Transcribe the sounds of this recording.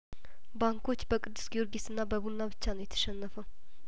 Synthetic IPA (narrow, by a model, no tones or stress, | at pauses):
baŋkʰo̞t͡ʃːbəkʼɨd̪ːɨsɡio̞ɾɡesɨnːabəβunnːabɨt͡ʃːanojɛt̪ʰə̥ʃɛnːəfə